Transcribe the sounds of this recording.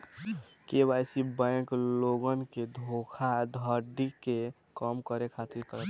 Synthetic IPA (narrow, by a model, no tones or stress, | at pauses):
keβajsibãjkloɡənked̪ʱokʰad̪ʱəɖike | kəmkəɾekʰat̪iɾkəɾət̪